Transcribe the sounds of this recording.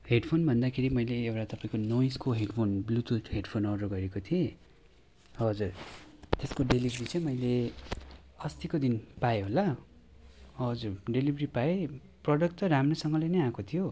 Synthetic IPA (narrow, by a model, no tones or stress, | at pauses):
ɦeɖpʰonbʱʌnd̪akʰeɾimʌjleːwʈat̪ʌpãĩkonojskoɦeɖpʰonblut̪uʈɦeɖpʰonʌɾoɡʌɾekot̪ʰie | ʌd͡zurt̪eskoɖelibʱʌɾit͡sʌ̃j̃mʌjle | ʌst̪ikod̪inpajeɦolːa | ɦʌd͡zurɖelibʱripae | prʌɽʌkʈʌɾamrosʌŋɡʌlenʌjãkot̪ʰijo